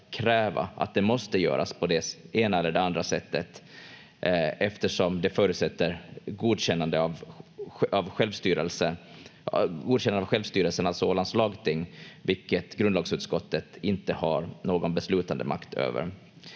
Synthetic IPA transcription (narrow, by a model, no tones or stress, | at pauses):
kʰɾɛːva̰a̰t̪̚d̪ɛmɔst̪əjœ̰ːɾʔa̰spʰɔd̪ɛseːnaɛlːəɖɛand̪ɾasɛt̪ːət̪ | ɛft̪əʂɔmd̪ɛfœːɾʉt̪sɛt̪ːəɾɡuːd̪ɕɛnːand̪əv | avɧɛlvst̪yːɾəlsə | ɡuːd̪ɕɛnanavɧɛlvst̪yːɾəlsənalsɔoːlanslɑːɡt̪ʰɪŋːvɪlkːət̪ɡɾɵnd̪lɑːɡsʉ̟ːt̪skɔt̪ːət̪ɪnt̪əhaɾnoːɡɔnbɛslʉ̟ːt̪and̪ə̰mʔa̰kt̪ʰø̰ːvə̰ɾ